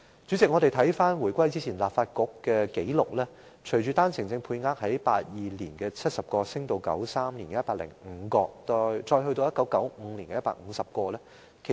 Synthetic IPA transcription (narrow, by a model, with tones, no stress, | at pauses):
t͡sy˨˥t͡sɪ˨k̚ŋɔ˨˧ɾe˨˩jt̪ʰɐ˨˥jfaː˥nwu˨˩jkʷɐ˥jt͡siː˥t͡sʰiː˨˩nlaː˨p̚faː˧t̚kɔ˧kːɛː˧ke˨˥jlʊ˨k̚lɛː˥ | t͡ʃʰɵ˨˩ɥt͡ʃyː˨˧t̪aː˥nsʰɪ˨˩ŋt͡sɪ˧ŋpʰuː˧jŋaː˧˥k̚hɐ˨˥jpa̰ː˧t̚jiː˨liː˨˩nkɛː˧t͡sʰɐ˥t̚sɐ˨p̚kɔː˧sɪ˥ŋt̪o˧wkɐ̰˨˥wsaː˥mliː˨˩nkɛ˧˦jɐ˥tpaː˧k̚lɪ̰˨˩ŋ̩˨˧˦kɔː˧t̪ɔ˧t͡ʃɔː˧jɦɵ˧jt̪o˧wjɐ˥t̚kɐ˨˥wkɐ˨˥wm̩˨˧liː˨˩nkɛ˧jɐ˥pa̰ː˧k̚ŋ̩ː˨˧sɐ˨p̚kɔː˧lɛː˥ | kʰe˨˩